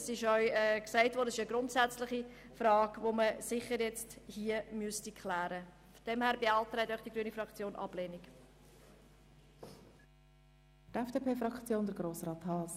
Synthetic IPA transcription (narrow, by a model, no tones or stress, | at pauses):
sɪʃœʏɛːksæɪtvɔːɾdəsɪʃəɡɾʊntsæt͡slɪχi | frɑːɡ̥voməsɪχəɾjɛt͡sthiəmyəstikʰlæːɾə | fɔd̥ɛmhæːɾbeɑltɾɛɪtœχd̥iɡɾyənifrɑkt͡sjoːnʔɑ̰b̥leːnik | tɛfd̥eːpʰeːfɾɑkt͡sjoːndəɾɡɾoːsɾɑːthɑːs